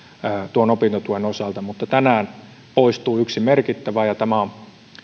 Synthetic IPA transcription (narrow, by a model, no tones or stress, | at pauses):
t̪uonopint̪ot̪uenosɑˑlt̪ɑmut̪ːɑt̪ænæːn | poist̪uːyksimerkit̪ːæʋæːjɑt̪æmæon